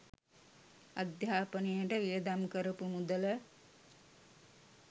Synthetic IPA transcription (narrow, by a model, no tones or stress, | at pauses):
ad̪jaːpənijəʈəʋijəd̪amkəɾəpumud̪ələ